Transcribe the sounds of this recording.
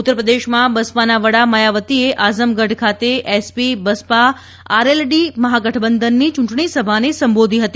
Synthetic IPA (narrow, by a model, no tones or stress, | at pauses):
ut̪ːəɾəpɾəd̪eʃmãbəspanaʋəɽaməjaʋət̪ieʔazəmɡəɖkʰat̪eʔespibəspa | aɾelɖiməɦaɡəʈʰəbənd̪ʱənːit͡ʃũɳʈɳ̃isəbʱanesə̃mbod̪ʱiɦət̪i